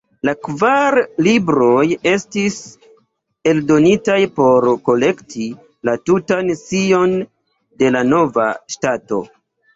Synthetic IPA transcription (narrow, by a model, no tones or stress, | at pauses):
lakvaɾlibɾo̞je̞stis | e̞ldo̞nitajpo̞ɾko̞le̞ktʰi | latutansio̞n | de̞lano̞va̰ʃtato̞̰